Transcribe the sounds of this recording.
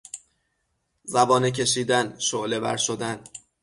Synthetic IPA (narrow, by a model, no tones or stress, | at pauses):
zæbɒːnec̬ʰe̞ʃiːd̪ænʃoʔle̞væ̰ɾʃod̪æn